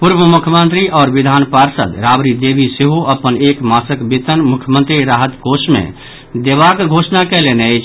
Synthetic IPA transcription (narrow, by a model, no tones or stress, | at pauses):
pʊɾʋəmʊkʰjəmə̃nt̪ɾiʔɔːɾʋɪd̪ʱaːnpaːɾsə̰d̪ɾaːbɾid̪eːʋiseɦuʔɐpəneːkmaːsəkbit̪ənmʊkʰjəmə̃nt̪ɾiɾaːɦət̪ɡʱoːʃmḛ̃ | d̪eːʋaːkɡʱoːʃnakeleːneet͡ʃʰ